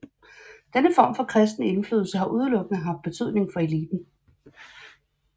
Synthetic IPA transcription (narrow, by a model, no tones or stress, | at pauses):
d̥enəfɒ̰ːmfɒ̽kʰʁɛsd̥nəe̝nfly̰ːð̩ˠsəɦɑ̈ʔuð̞ˠlɔ̽ɡ̥ənəɦɑ̈fd̥̚b̥e̝t͡sʰy̰ð̰ˠne̝ŋfɒ̽e̝liːb̥n̩